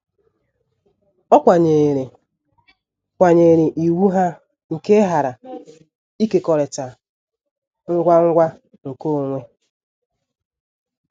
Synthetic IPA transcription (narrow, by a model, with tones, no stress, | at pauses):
ɔ˦kʷa˨ɲe˨ɾe˨ | kʷa˨ɲe˨ɾe˨ʔi˨wu˦ɦa˦ | ŋ̩˨ke˦ɦa˨ɾa˨ | i˦ke˨kɔ˨ɾe˨ta˨ | ŋ̩˦ɡʷa˦ŋ̩˦ɡʷa˦ | ŋ̩˨ko˦o˨ŋʷe˦